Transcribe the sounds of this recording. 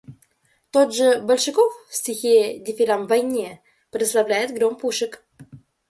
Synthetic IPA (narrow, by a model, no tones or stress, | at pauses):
t̪od̪ʐɨbəlʲʂɨkoffsʲtʲɪxʲedʲɪfʲɪɾamvɐjnʲe | pɾʲɪt̪slˠɐvlʲæjɪt̪ɡɾompuʂɨk